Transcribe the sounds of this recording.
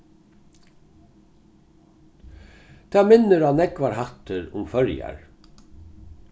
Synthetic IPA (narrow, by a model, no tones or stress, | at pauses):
t̪ʰæːmɪnəɾanɛkʋaɾhat̪əɾʊmfœɹja̰ɹ